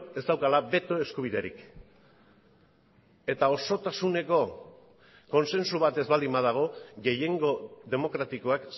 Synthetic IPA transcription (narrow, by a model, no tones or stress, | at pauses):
e̞zd̪awkalaβe̞t̪o̞e̞skuβ̞iðeɾḭk | e̞t̪ao̞so̞t̪asune̞ko̞ | ko̞nse̞nsuβat̪e̞zβald̪imað̞aɣ̞o̞ɣe̞je̞ŋɡo̞ðe̞mo̞kɾat̪iko̞ak